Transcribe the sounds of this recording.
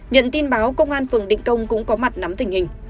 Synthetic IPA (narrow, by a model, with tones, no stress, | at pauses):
ɲə̰˧˨nt̪i˧nɓaː˨˦wkə˧wŋ͡mʔaː˧nfɨ˨˩əŋɗḭ˧˨ŋ̟kə˧wŋ͡mkʊ̰˧˥ŋ͡mkɔ˨˦ma˨˩t̚na˨˦mt̪ï˨˩ŋ̟hï˨˩ŋ̟